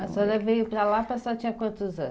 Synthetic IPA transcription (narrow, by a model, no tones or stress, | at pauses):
ɐsɔɾɐvejʊpɾɐlapasat͡ʃĩɲɐkwɐ̃nt̪ʊzɐ̃